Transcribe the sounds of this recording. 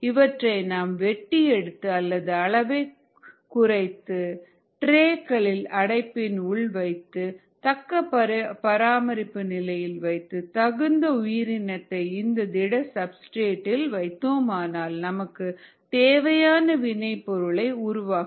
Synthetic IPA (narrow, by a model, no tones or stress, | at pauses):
ɪʋɐʈrɐɪnaːmʋɛʈːiɛɽɯt̪ːɯɐlːɐðɯɐɭɐʋɐɪ | kʊrɐɪt̪ːɯ | ʈɾeːkɐɭɪlɐɽɐɪpːɪnʊɭʋɐɪt̪ːɯ | t̪ɐkːɐpɐpɐɾaːmɐɾɪpːɯnɪlɐjɪlʋɐɪt̪ːɯt̪ɐɣɯnd̪ɐʊjɪɾɪnɐt̪ːɐɪɪnd̪ɐd̪ɪɽɐsɐbsʈeːʈːɪlʋɐɪt̪ːoːmaːnaːlnɐmɐkːɯ | t̪eːʋɐjaːnɐʋɪnɐɪpːɔɾɯɭɐɪʊɾʊʋaːk